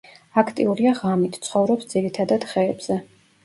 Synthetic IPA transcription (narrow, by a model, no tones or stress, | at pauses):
akʰt̪ʼḭuɾiaʁamit̪ʰt̪sʰχɔvɾɔpsd̪z̥iɾit̪ʰad̪ad̪̥χɛːb̥z̥ɛ